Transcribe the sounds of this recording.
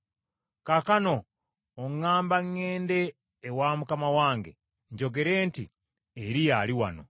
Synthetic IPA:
kakano̞ː | ŋːaːmbaŋːeːnde̞ː | wamukamawaːŋɡe̞̰ | ɲɟo̞ɡe̞ɾe̞ːnti | eɾijaliwa̰no̞̰

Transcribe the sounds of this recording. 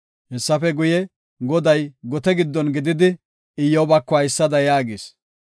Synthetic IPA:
hɛsːɐfɛɡʊjɛ | ɡɔd̪ɐjɡɔt̪ɛɡɪd̪ːɔnɡɪd̪ɪd̪ɪ | ɪjːɔbɐkːɔɐjɪsːɐd̪ɐjaːɡɪs

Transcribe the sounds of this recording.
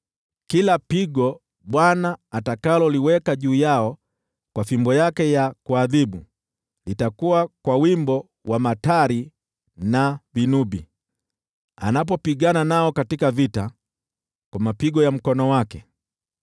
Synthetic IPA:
kilapiɡɔ | ɓwanaːtakalɔliwɛkaʄuːjaɔ | kwafimbɔjakɛjakuaðiɓu | litakuwakwawimbɔ | wamataɾi | navinubi | a̰nap̬ɔpiɠananaɔkatikavita | kwamapiɡɔjam̩kɔnɔwakɛ

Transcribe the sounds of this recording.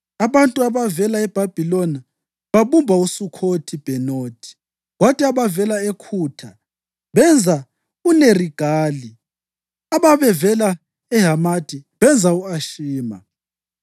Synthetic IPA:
aβantʼuaβavɛlaɛb̥ʱab̥ʱilɔna | βaβumbʱausukʰotʰib̥ʱɛnoːtʰʼi̥ | ɣwatʼiaβavɛlaekʰuːtʰa | βɛnd͡zʱa | uneriɡ̥ʱaːli | aβaβɛvɛla | ɛɦamad̥ʱiβɛnd͡zʱauaʃiːma̰

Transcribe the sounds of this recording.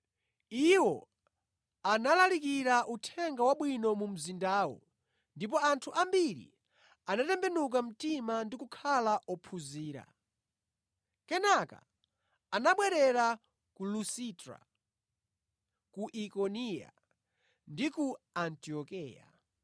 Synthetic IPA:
iwɔ | analalikiɾaʔutʰɛŋɡawaɓwinɔmum̩zindaːwɔ̰ | ndip̬ɔantʰuʔambiɾḭ | anatɛmbɛnuk̬am̩timandikukʰalaʔɔpʰuziːɾa̰ | kɛnaka̰ː | naɓwɛɾɛɾa | kulusitɾa̰ | kuʔikɔnija̰ | ndikuantiɔkɛːja̰

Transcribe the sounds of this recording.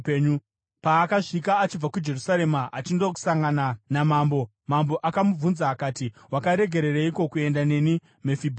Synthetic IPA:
peɲu | paːkaʂikaːt͡ʃib͡vakud͡ʒe̞rusaɾe̞maʔat͡ʃindoku̥saŋɡananamambo̞ | mambo̞ʔakamub͡vunzaːkatiwakaɾe̞ɡʱe̞ɾe̞ɾeiko̞kue̞ndane̞ni | me̞fibʱ

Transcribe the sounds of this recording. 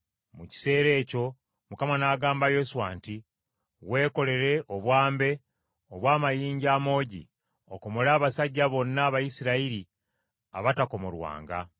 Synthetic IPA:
muci̥se̞ːɾe̞ːco̞ | mukamanaːɡaːmbajo̞suwa̰ːnti | we̞ːko̞le̞ɾe̞ʔo̞βwaːmbe̞ | oβwaːmajiːɲɟaːmo̞ːɟḭ | o̞̰ko̞mo̞laːβasaɟːaβo̞nːaːβajisiɾaiɾi | a̰βatako̞molwa̰ːŋɡa̰

